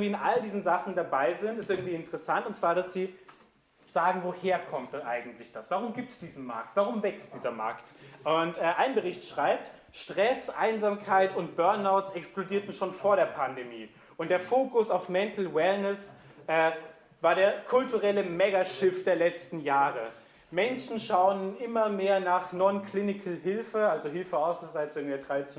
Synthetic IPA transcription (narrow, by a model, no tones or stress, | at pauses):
viːɪnʔaldiːzn̩zaχn̩dabaɪzɪntɪstɪɐɡŋ̩tv̥iːɪntəʁɛsantʊntt͡sv̥aːɐɾasz̥iː | z̥aːɡŋ̩voːheːɐkʰɔmt̚ʔaɪɡŋ̩tlɪçd̥asv̥aʁ̞ʊmɡiːp̚tsd̥iːzn̩ma̰ɐk̚tv̥aʁ̞ʊmvɛkstd̥iːzɐma̰ɐktʔʊntʔɛːʔaɪnbəʁɪçtʃʁ̥aɪp̚t | ʃtʁ̥ɛsʔaɪnzaːmkʰaɪtʊnt̚b̥œɐnaʊtsɛksplodiːɐtn̩ʃoːnfoːɐɾeːɐpʰandemḭː | ʔʊntd̥eːɐfoːkʊsaʊfmɛntl̩wɛlnɛsʔɛː | vaːɐɾeːɐkʰʊltuʁɛləmɛɡaʃɪfd̥eːɐlɛt͡stn̩jaːʁə | mɛnʃn̩ʃaʊənʔɪmɐmeːɐnaːχnɔnkʰl̥ɪnɪkʰl̩ɦɪlfəalzoɦɪlfəaʊsəzaɪt͡sɪɡŋ̩viːɐdʁaɪt͡s